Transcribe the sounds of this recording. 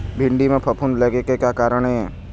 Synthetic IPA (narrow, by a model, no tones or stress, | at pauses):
bʱɪ̃ɳɖimẽpʰɐpʰunleɡekekjakaːɾəɳ̃ɦɛː